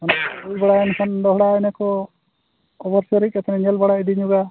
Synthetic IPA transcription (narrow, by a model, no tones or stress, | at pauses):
anaujbɛɽaɛnɛkʰand̪ɔɦɽaɛnɛkɔ | ɔbəɾsɔɾik̚ɛt̪ɛnɛɲɛlbaɽaid̪iɲuɡa